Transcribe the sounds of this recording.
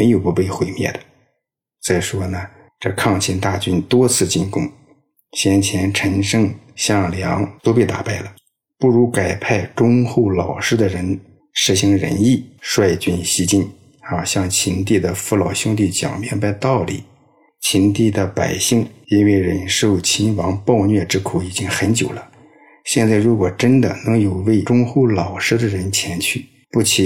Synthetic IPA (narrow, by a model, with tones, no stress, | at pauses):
m˧˥ɪjo˨˩ʊpu˧˥pe˥˩ɪxwe˧˥ɪmjɛ̰˥˩d̪ə˩ | t͡sa˥˩ɪʂwɔ˥nə˩˨ | ʈ͡ʂɤ˥˧kʰɑ˥˩ŋt͡ɕʰjɛ˧˥nt̪a˥˧t͡ɕy˥nt̪wɔ˥t͡sʰɹ̩˥˧t͡ɕi˥˩nkʊ˥ŋ | ɕjɛ˥nt͡ɕʰjɛ˧˥nʈ͡ʂʰə˧˥ŋʂɤ˥ŋɕjɑ˥˩ŋljɑ˧˥ŋt̪o˥ʊpe˥˩ɪt̪a̰˨˩pa˥˩ɪlə˩ | pu˥˩ɻu˧˥ka˨˩ɪpʰa˥˩ɪʈ͡ʂʊ˥ŋxo˥˩ʊlɑ˨˩ʊʂɻ̩˥d̪ə˨ɻə˧˥n | ʂɻ̩˥˩ɕi˧˥ŋɻə̰˧˥ni˥˩ʂwa˥˧ɪt͡ɕy˥˩nɕi˥t͡ɕi˥˩n˥ | a˥˩˧ɕjɑ˥˩ŋt͡ɕʰi˧˥nt̪̬i˥˩d̪ə˩fu˥lɑ˨˩ʊɕjʊ˥ŋt̪i˥˩t͡ɕjɑ̰˨˩ŋmjɛ̰˧˥˧npa˥˧ɪt̪ɑ˥˩ʊlḭ˨˩˦ | t͡ɕʰi˧˥nt̪i˥˩d̪ə˩pa̰˨˩ɪɕi˥˩ŋi˥nwe˥˩ɪɻə˨˩nʂo˥˩ʊt͡ɕʰi˧˥nfɑ˧˥ŋpɑ˥˧ʊnɥɛ˥˧ʈ͡ʂɻ̩˥kʰu˧˩i˨˩t͡ɕi˥ŋxə˧˥nt͡ɕjo˨˩ʊlə˦ | ɕjɛ˥˧nt͡sɪɻu˧˥kwɔ˨˩ʈ͡ʂə˥nd̪ə̰˨nɤ˧˥ŋjo˨˩ʊwe˥˩ɪʈ͡ʂʊ˥ŋxu˥˩ʊlɑ˨˩ʊʂɻ̩˥d̪ə˨ɻə˧˥nt͡ɕʰjɛ˧˥nt͡ɕʰy˥˩ | pu˥˩t͡ɕʰi˨˩